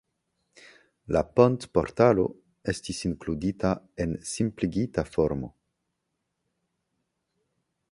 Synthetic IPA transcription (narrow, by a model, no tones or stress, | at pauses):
la̰pontpo̞̰ɾtalo̞̰ | e̞stisiŋkludita | e̞nsimpliɡitafoɾmo̞̰